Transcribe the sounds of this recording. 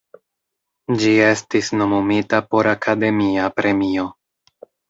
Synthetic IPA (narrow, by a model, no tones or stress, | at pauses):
d͡ʒie̞stisno̞mumitapo̞ɾakʰade̞miapɾe̞mio̞